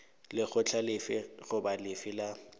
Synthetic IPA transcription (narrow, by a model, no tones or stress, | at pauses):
lɪɣʊt͡ɬʰalɪfɪɣʊbalɪfɪla